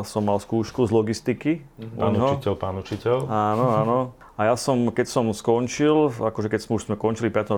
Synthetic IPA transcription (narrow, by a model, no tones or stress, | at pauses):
sɔmːalskuːʃkuzlɔɡist̪ikḭɲɦɔicɛlpaːnut͡ʃicɛlaːnɔaːnɔ | ajasɔmkɛcsɔmskɔnt͡ʃilakɔʒɛkɛcsmɛuʃz̥mɛkɔnt͡ʃilipɪat̪ɔ